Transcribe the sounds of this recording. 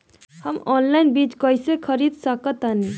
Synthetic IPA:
həmɔnlajnbit͡ʃkəjsekʰəɾid̪səkət̪ani

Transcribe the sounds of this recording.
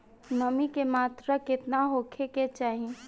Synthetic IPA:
məmikemaːt̪ɾəkɪt̪naɦoːkʰeket͡ʃaːɦiẽ

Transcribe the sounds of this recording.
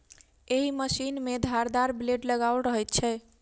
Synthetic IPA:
eɦiməsinmed̪ʱaɾd̪aɾbleɖləɡawlɾəɦɛjt̪̚t͡ʃʰɛ

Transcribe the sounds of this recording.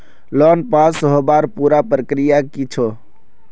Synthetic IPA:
lɔnpasɦobaɾpuɾapɾəkɾijakit͡ʃʰo

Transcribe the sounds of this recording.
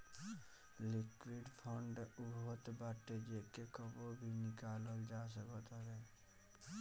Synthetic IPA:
lɪkwɪɖpʰɔːɳɖʊbot̪baːʈed͡ʒekekəbobʱinɪkaːləld͡ʒaːs̬əkət̪ɾɛː

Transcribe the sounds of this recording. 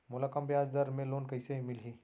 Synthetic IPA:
mʊlaːkəmpjaːd͡ʒd̪əɾmẽloːnkɐɪsemɪlɦiː

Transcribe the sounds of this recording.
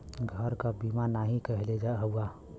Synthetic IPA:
ɡʱəɾkabimanaɦĩkəɦled͡ʒaɦəua

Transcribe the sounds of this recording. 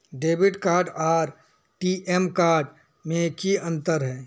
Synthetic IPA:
ɖeːbɪʈkaːɾɖaːɾ | ʈiʔɛmkaːɾɖ | mẽkiɐ̃nt̪əɾɦɛː

